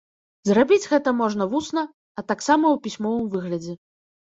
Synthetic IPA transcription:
zrabʲid͡zʲɣɛt̪ɐmɔʐn̪ɐvusnɐː | t̪aksamɐwpʲisʲmɔvɨmvɨɣlʲɐd͡zʲɛ

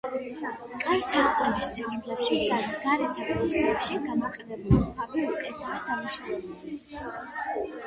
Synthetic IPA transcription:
kʼaɾsaɾt̪ʼlɛbist̪ʰɛzʼɡlɛpʃid̪aɡaɾɛt̪ʰakʼɔnt̪ʼɛlɛpʃiɡamaqʼɛbɛbulipʰaviukʼɛt̪ʰaɾd̪anaʃavɛbuli

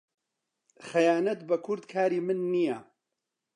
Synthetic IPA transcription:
xɛjaːnɐt̪bɐkʰʊɾd̪kʰaːɾiːmɨnːija

